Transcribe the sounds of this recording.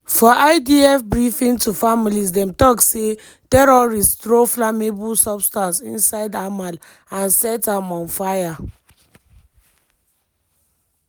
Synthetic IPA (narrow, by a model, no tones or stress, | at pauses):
fɔʔaɪdiɛfbɹifĩŋtufamilis̬dɛ̃mtɔkse | tɛɾɔɹistɹoflamebulsɔbstãnsḭ̃nsaɪdamal | ãnsɛtamɔ̃nfaja